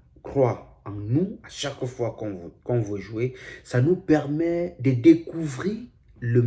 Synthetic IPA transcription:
kχwa | ɑ̃nuaʃakfwakɔ̃kɔ̃vøʒuesanupɛʁmɛd̪əd̪ekuvʁiʁ | lə

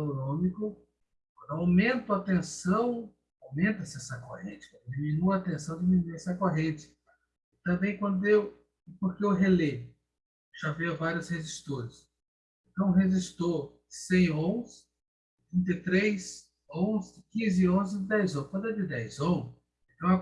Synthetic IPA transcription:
nõmikʊ | kɐ̃d̪ʊawmẽnt̪ʊat̪ẽsɐ̃w̃ | awmẽnt̪ɐsɪasɐkohẽt͡ʃɪ̥kãd̪imĩnuɐt̪ẽsɐ̃w̃d͡ʒ̪iminuɛsɐkoɦẽt͡ʃɪ̥ | ɪt̪ɐ̃mbẽj̃kwɐ̃nd̪ʊew | ɪpoɾkeewɦele | ʒaviɐvaɾjʊsheʒist̪oɾɪs | ẽt̪ɐ̃w̃ɦeʒist̪o | sẽj̃õsɪ | t̪ɾĩnt̪et̪ɾejs | õzkĩzɪɪõzɪdɪd̪ɛjzõkwɐ̃d̪ʊɛd̪ɪd̪ɛjzõ | ẽt̪ɐ̃w̃ɐ

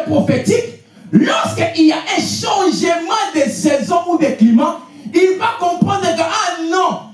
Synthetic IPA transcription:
pʁofet̪ik | lɔʁskəʔiljaʔɛ̃ʃɑ̃ʒəmɑ̃d̪esɛzɔ̃ud̪eklimã | ilvakɔ̃pʁɑ̃nd̪ʁəkəʔanɔ̃

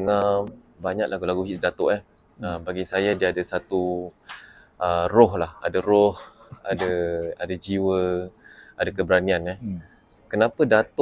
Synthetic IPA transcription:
əŋa | baɲaʔlahɡulaɡuɦiʔsdat̪ʊʔa | əmbaɡisajadiaadasat̪u | ərɔɦlaha̰daɾɔh | a̰daadad͡ʒiwə | adakəbəɾaniana | kənãpədat̪ʊ

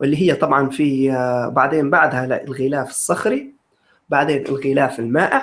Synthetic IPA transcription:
wʔɪlːiɦɪjːat̪ˤɑbʕɑnfibaʕd̪eːnbaʕd̪halɣɪlaːfɪ̥sˤːɑxɾi | baʕd̪eːnʔɪ̰lɣɪlaːfɪlmaːʔa

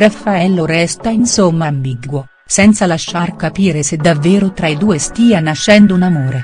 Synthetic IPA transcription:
rafːaɛlːoɾɛst̪ainsomːambiɡwo | sɛnt̪salaʃːarkapiːɾesed̪ːavːeːɾot̪ɾaid̪uːest̪iːanaʃːɛnd̪ounamoːɾe

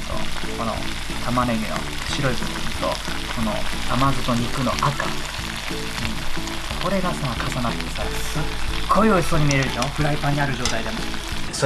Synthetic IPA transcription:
t̪o̰kono̰ | t̪ʰamanemʲino̰ | ɕiɾo̞izɯnt̪o̰ | kʰo̞no̰namazɨt̪o̞ɲ̟ikɯ̟no̞ʔaka̰ | ɯ̟̃ | koɾe̞ɡasaakʰasanat̪ːesaɾesɨkʰoeoi̥soɲ̟imʲiɾe̞ɾɯʑoɸɯ̟ɾaipaɲ̟iaɾɯ̟ʑo̞ːt̪aid̪e̞mo̰ | so

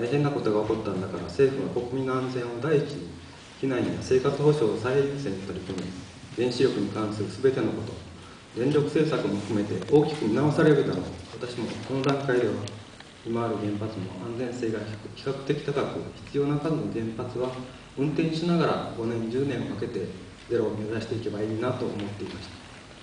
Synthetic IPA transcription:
t̪aiɦe̞nːako̞t̪o̞ɡao̞ko̞t̪ːãnd̪akaɾa̰se̞ːɸɯ̟βako̞kɯ̟mʲinoãnd͡zẽ̞ɰ̃o̞d̪aiit͡ɕii | kʲinaiɲiβase̞ːkat͡sɨho̞ɕo̞ːsaieɾʲiɨ̥seɲiot̪ːoɾikome | ɡ̪ẽ̞ɰ̃ɕiɾʲo̞kɯ̟ɲ̟ikãɰ̃sɨɾɯ̟sɨbe̞t̪e̞no̞ko̞t̪o̞ | d̪ẽ̞nɾʲo̞kɯ̟̥se̞ːsakɯ̟mo̞ɸɯ̥kɯ̟me̞t̪e̞ʔo̞ːkʲi̥kɯ̟ɲinao̞saɾe̞ɾɯ̟t̪aɾo̰βat̪aɕimo̞ko̞no̞d̪ãŋkaid̪e̞βa̰ | imaːɾɯ̟ɡẽ̞mpat͡sɨmo̞̰ãnd͡zẽ̞ɰ̃se̞ːɡakʲi̥kakɯ̟̥t̪e̞kʲi̥t̪akakɯ̟̰çi̥t͡sɨjo̞ːnakazono̞ɡẽ̞mpat͡sɨβa | ɯ̟̃nt̪ẽ̞ɲ̃ɕinaɡaɾa̰ɡo̞nẽ̞ɲ̟d͡ʑɨːnẽ̞ɰ̃okake̞t̪e̞ | d͡ze̞ɾo̞ːmʲizaɕi̥t̪e̞ike̞baiːnat̪o̞ːmo̞t̪ːe̞imaɕi̥t̪ḁ

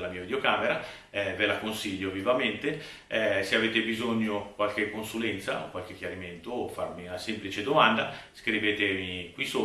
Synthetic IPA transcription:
lamiːavid̪eokaːmeɾa | ɛvelakonsiʎːovivament̪e | seaveːt̪ebizoɲːokwalk̟ekːonsulɛnt̪sa̰o̰kwalk̟ekːjaɾiment̪oːfarmiunasemplit͡ʃed̪omand̪askɾiveːt̪emikwiso

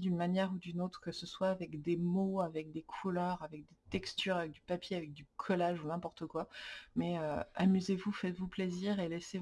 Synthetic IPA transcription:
d̪ynmanjɛʁud̪ynot̪χkəsəswaːvɛkd̪emoavɛk̚d̪ekʰulœʁavɛk̚d̪et̪ɛkst̪yʁavɛk̚d̪ypapjeavɛk̚d̪ykʰɔlaʒunɛ̃pɔʁt̪əkwamɛøamyzevufɛt̪vupleziʁelɛse

